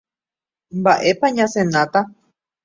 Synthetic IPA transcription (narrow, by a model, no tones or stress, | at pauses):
mbaʔepaɲãsẽnãt̪a